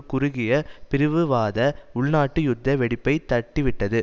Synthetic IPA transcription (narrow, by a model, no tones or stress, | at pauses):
kʊɾʊɣɪjɐpɪɾɯʋɯʋaːðɐʊɭnaːʈːɯjʊd̪ːɐʋɛɽɪpːɐɪt̪ɐʈːɪʋɪʈːɐðɯ